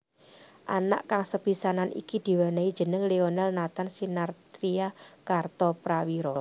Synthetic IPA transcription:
ʔana̰ʔkaŋsəb̥isananḭkid̪̥i̤wanaid̥d͡ʒ̥ə̤nəŋleonalnat̪ansinart̪ɾiakart̪ɔpɾawiɾɔ

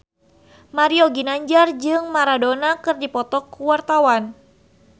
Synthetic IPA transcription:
maɾioɡinaɲd͡ʒard͡ʒɨŋmaɾadonakɨrdipɔt̪ɔkuwart̪awan

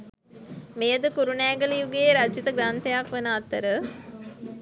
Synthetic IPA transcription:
mejəd̪əkuɾunæːɡɐlijuɡeːɾɐd͡ʒit̪əɡɾant̪ɐjakʋɐnaːt̪ːɐɾə

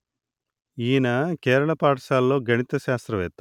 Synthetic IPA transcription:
iːnɐkeːɾɐɭɐpaːʈɐʃaːlːo̞ːɡʱɐɳit̪ɐʃaːst̪ɾɐʋɛ̰ːt̪ːa

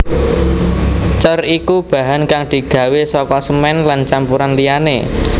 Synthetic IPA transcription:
t͡ʃərikub̥a̤ɦankaŋd̪̥i̤ɡ̥a̤wesɔkɔsəmɛnlant͡ʃampuɾanlijanḛ

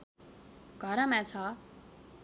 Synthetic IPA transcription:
ɡʱʌɾʌmãt͡sʰʌ

